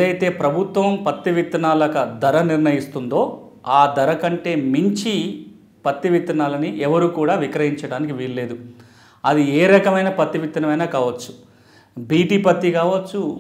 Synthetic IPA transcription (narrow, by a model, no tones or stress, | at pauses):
ɐjt̪e̞ːpɾɐbʱut̪ʋɐmpɐt̪ːiʋit̪ːɐnaːlɐkɐd̪ɐɾɐniɾnɐjist̪und̪o̞ː | aːd̪ɐɾɐkɐɳʈe̞ːmiɲt͡ʃi | pɐt̪ːiʋit̪ːɐnaːlɐniʔɛʋɐɾuːkuːɽaːʋikɾɐɦiɲt͡ʃɐɽaːnikiʋiːllːe̞ːd̪u | ɐd̪ieːɾɐkɐmɐjnɐpɐt̪ːiʋit̪ːɐnɐmɐjnaːkaːʋɐt͡ʃːu̥ | biːʈiːpɐt̪ːikaːʋɐt͡ʃːu